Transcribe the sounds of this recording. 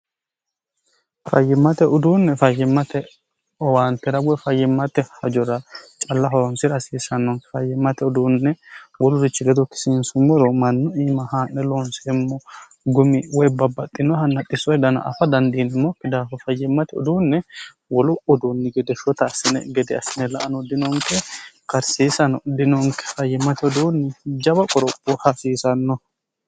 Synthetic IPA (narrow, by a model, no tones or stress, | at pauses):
fɐjːɪmːɐt̪ɛʔʊd̪uːnːɛfɐjːɪmːɐt̪ɛ | ɔwaːnt̪ɛɾɐɡɔfɐjːɪmːɐt̪ɛhɐd͡ʒɔɾɐt͡ʃʼɐlːɐɦɔɾɔnsɪɾɐsiːsɐnːɔŋfɐjːɪmːɐt̪ɛʊd̪uːnːɛwɔlʊɾɪt͡ʃːɪɡɛd̪ɔkɪ̥sɪnsʊmːɔɾɔmɐnːɔiːmɐhaːnːɛloːnsɛmːɔ | ɡʊmɪwɔjbɐbɐt̪ʼːɪnːɔhɐnːɐt̪ʼːɪsɔjd̪ɐnɐ̰ʔɐ̰fɐd̪ɐnd̪iːnɪmːɔkːɪd̪aːfɐfɐjːɛmːɐt̪ɪɔ̰d̪uːnːɛ | wɔlʊɔd̪unːɛɡɛd̪ɛʃɔt̪ɐːsɪnɛ̰ɡɛd̪ɛɐsɪnɛlɐ̰ʔɐnɔd̪ɪnɔŋkɛkɐɾsiːsɐnɔd̪ɪnɔŋkɛ̥fɐjːɛmɐt̪ɪɔd̪unːɛd͡ʒɐbɐkʼɔɾɔpʼːɔhɐsiːsɐnːɔ